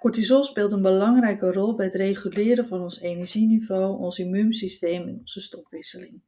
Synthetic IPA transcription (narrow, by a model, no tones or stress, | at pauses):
kɔɹtizɔspɪːlˠtənbəlɑŋrɛjkərɔlˠbɛjətrejχylɪːɾəvɑnɔnsenɛɹʒinivowɔnsimymsistejmɛnɔnz̥əstɔfʋɪsəlɪŋ